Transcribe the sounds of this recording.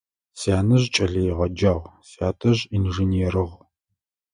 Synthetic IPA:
sjaːnɨʑt͡ʃʼɐɮɐjʁɐd͡ʒaːʁsaːtʰɐʑinʒinieɾɨʁ

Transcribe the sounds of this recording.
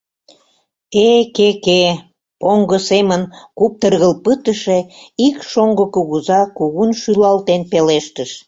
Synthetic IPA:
ekeke | poŋɡəsemənkup̚t̪ərɣəlpət̪əʃeikʃoŋɡəkuɣuzɑkuɣunʃylɑlt̪enpeleʃt̪əʃ

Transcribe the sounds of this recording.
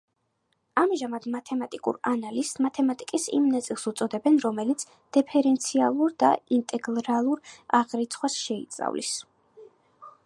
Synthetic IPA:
amʒamad̪mat̪ʰɛmat̪ʼikʼṵɾanalismat̪ʰɛmat̪ʼikʼisḭmnat̪sʼilˠsut̪sʼɔd̪ɛbɛnɾɔmɛlit̪sʰ | d̪̥ɛpʰɛɾɛnt̪sʰialˠuɾd̪a̰int̪ʼɛɡlˠɾalˠuɾaʁɾit̪sʰχwasʃɛḭt̪sʼa̰vlḭs

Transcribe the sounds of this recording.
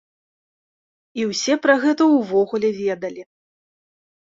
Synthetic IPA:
iwsʲɛpɾɐɣɛt̪ɐwvɔɣulʲɛvʲɛd̪ɐlʲi

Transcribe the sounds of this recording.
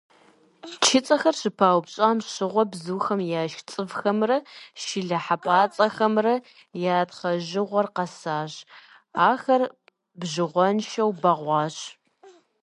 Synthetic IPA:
t͡ʃʰɪt͡sʼɐxɐrɕɨpʰaːwpɕʼaːmɕɨʁʷɔbzɨːxɐmjaːʃt͡sʼɨvxɐmrɐʃɪɮɐħapʼaːt͡sʼɐxɐmrɐ | jaːtχɐʒɪʁʷɔrqɐsaːʑ | aːxɐr | bʑɨʁʷɔnʃɐwbɐʁʷɑːɕ

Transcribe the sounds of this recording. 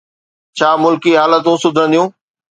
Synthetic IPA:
t͡ɕʰaːmʊlkiɦaːlət̪̬ũːsʊd̪ʱə̃nd̪ijũː

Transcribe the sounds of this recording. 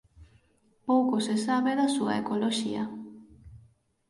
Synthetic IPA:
powkosesaβeðasua̰ekoloʃḭa̰

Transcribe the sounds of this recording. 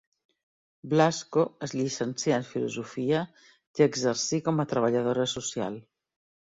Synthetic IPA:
blaskoəzʎisənsiaeɱfilṵzufia | kəɡzəɾsikomat̪ɾaβ̞aʎað̞oɾasusja̰l

